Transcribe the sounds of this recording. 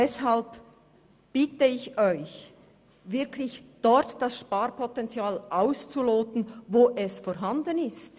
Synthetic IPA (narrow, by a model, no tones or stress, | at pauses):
d̥ɛshalb | b̥ɪtəɪçɔʏç | vɪɐkʰlɪçd̥ɔɾtd̥asʃpaːɾpʰɔtɛnt͡sjaːlʔaʊst͡suloːtən̩voːʔɛsfɔɾɦandənɪst